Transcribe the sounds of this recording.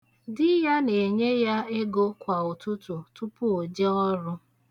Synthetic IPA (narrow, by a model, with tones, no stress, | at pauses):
dɪ˦ja˦ne˨ɲe˦ja˦e˦ɡo˦kʷa˨ʊ˨tʊ˦tʊ˨tʊ˦pʊ˦o˨d͡ʒe˦ɔ˦ɾʊ˦